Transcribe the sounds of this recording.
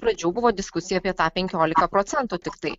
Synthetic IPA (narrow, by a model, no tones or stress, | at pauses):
pɾɐd͡ʒʲuːbʊʋoːd̪ʲɪskʊsʲɪjɛɐpʲiɛt̪ɑːpʲɛŋʲkʲoːlʲɪkɐpɾoːt̪sʲɛnt̪uːt̪ʲɪkt̪ɐɪ